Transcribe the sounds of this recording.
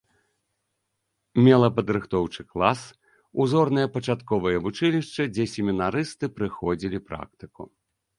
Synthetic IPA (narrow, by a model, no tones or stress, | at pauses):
mʲɛlˠɐpɐd̪ɾɨxt̪ɔwt͡ʂɨklˠas | uzɔrnɨjɐpɐt͡ʂat̪kɔvɨjɐvut͡ʂɨlʲiʂt͡ʂɐd͡zʲɛsʲɪmʲinaɾɨst̪ɨpɾɨxɔd͡zʲilʲipɾa̰kt̪ɨkṵ